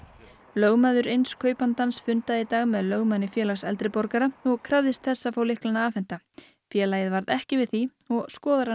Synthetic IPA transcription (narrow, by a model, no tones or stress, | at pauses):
lœɣmaðʏɾejnskʰœːɥpant̪ansfʏnt̪aðit̪aːɣmɛðlœɣmanːɪfjɛːlaɣsɛlt̪ɾɪpɔɾkaɾaɔɣkʰɾavðɪst̪θɛsːafawlɪhklanaaːfɛn̥t̪a | fjɛːlaːjɪðvaɾðɛhcɪvɪðθi | ɔɣskɔːðaɾa